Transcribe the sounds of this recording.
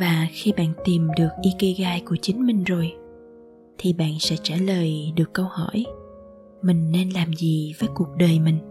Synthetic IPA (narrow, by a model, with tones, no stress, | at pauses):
vaː˨˩xi˧ɓa̰ː˧˨nt̪i˨˩mɗɨ˨˩ək̚ʔi˧ke˧ɣaː˧jku˧˩ət͡ɕï˨˦ŋ̟mï˨˩ŋ̟zo˨˩j | t̪ʰi˨˩ɓa̰ː˧˨nsɛ̰˧˥t͡ɕaː˧˩ləː˨˩jɗɨ˨˩əkːə˧whɔ˧˩j | mï˨˩ŋ̟ne˧nlaː˨˩mzi˨˩vəː˨˦jku˨˩ək̚ɗəː˨˩jmï˨˩ŋ̟